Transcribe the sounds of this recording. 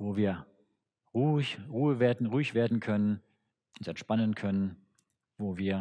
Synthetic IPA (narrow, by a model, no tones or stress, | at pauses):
voːviːɐ | ʁuːçʁuːəveːɐdn̩ʁuːɪçv̥eːɐdn̩kʰœnən | ʔʊnsɛntʃpanənkʰœnən | voːviːɐ